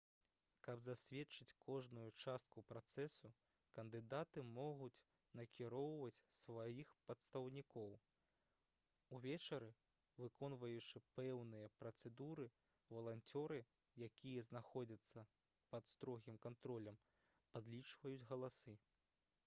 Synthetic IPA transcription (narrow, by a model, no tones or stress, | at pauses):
kɐbzasʲvʲɛtt͡ʂɨt͡sʲkʰɔʐnujut͡ʂast̪̚kupɾat̪sɛsu | kɐnd̪ɨd̪at̪ɨmɔɣut͡sʲ | nɐkʲiɾɔwvɐt͡sʲsvajixpɐt̪st̪ɐwnʲikɔw | uvʲɛt͡ʂɐɾɨ | vɨkʰɔnvɐjut͡ʂɨpɛwnɨjɐpɾɐt̪sɛd̪uɾɨ | vɐlˠant͡sʲɔɾɨ | jakʲijɐznaxɔd͡zʲɐt̪sːɐ | pɐt̪st̪ɾɔɣʲimkant̪ɾɔlʲɐm | pad̪lʲit͡ʂvɐjud͡zʲɣɐlˠasɨ